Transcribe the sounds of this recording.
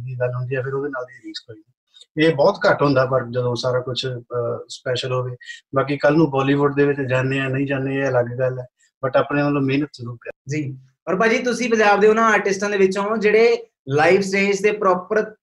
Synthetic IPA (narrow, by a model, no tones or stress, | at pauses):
d̪iːɡəlɦʊ̃nd̪iːɛːpʰɪɾoːd̪inaːld̪iːɾiːst̪oːiːniː | eːbɔːt̪kəʈɦʊ̃nd̪aːpəɾd͡ʒəd̪õːsaːɾaːkʊt͡ʃʰspɛːʃəlɦoːʋeːbaːk̬ikəlnũːbɔːliːʋʊɖd̪eːʋɪt͡ʃd͡ʒaːnːeːɛːnəĩːd͡ʒaːneːɛːləɡɡəlɛː | bəʈaːpneːəlõːmeːnət̪sɾuːpaːd͡ʒiː | ɔːɾbaːd͡ʒiːt̪ʊsĩːpəɲd͡ʒaːbd̪eːʊnãːaːɾʈɪsʈãːd̪eːʋɪt͡ʃõːd͡ʒeːɽeː | laːipʰsɾeːst̪eːpɾɔːpəɾ